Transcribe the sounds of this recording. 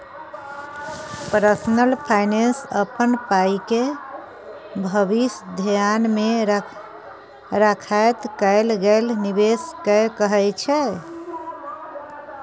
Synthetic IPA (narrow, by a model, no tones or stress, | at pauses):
pəɾsnəlpʰajnensəpənpaike | bʱəbisd̪ʱjanme | ɾəkʰajt̪kəɪlɡelniβeskəkəɦɛt͡ʃʰɛ